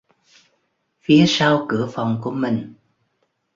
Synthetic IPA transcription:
fi˨˦əsa˧wkɨ˧˩əfa˨˩wŋ͡mku˧˩əmï˨˩ŋ̟

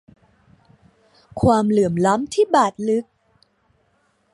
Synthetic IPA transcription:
kʰwaː˧mlɯ˨˩əmla˦˥mt̪ʰiː˥˩baː˨˩t̪̚lɯ˦˥k̚

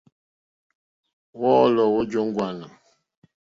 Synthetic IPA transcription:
wɔ˦lɔ˨wo˦d͡ʒo˦ŋ˦ɡwa˨na˨m

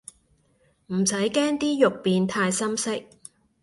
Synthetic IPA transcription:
m̩˨˩sɐ˨˥jkɛː˥ŋt̪iː˥jʊ˨k̚piː˨˧nt̪ʰaː˧jsɐ˥msɪ˥k̚

